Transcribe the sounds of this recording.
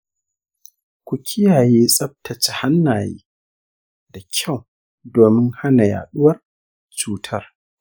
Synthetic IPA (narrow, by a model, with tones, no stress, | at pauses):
kʷu˨kʲʰɪ˦jaː˨jeː˦sʼɐ˦p̚tʰɐ˨t͡ʃe˨ha˦nːaː˨jḛː˦ | da˨kʲʰa˦˨w | doː˨mɪ˦ŋha˦na˨ja̰ː˨ɗʊ˦wɐ˦r | t͡ʃuː˦tʰɐ˦r